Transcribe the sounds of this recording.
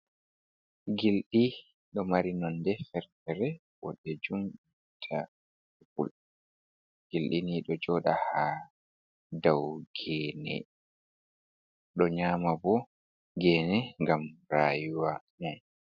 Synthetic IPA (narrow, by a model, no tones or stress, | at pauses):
ɡilɗi | ɗɔmaɾinɔndɛfɛɾtɛɾɛ | wɔ̰ɗːɛd͡ʒumi | tʰa | ɛfṵl | ɡ̥ilɗiniɗɔd͡ʒɔːɗaha | dawɡɛːnɛ̰ | ɗɔɲaːmabɔ | ɡɛːnɛŋɡamɾaːjuwa | naj